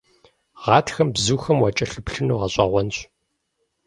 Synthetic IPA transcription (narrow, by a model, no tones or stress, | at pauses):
ʁɑːtʰxɐmbzuːxɐmwɑt͡ʃʼɐɬɨpɬɨnuːʁɐɕʼɑʁʷɔnɕ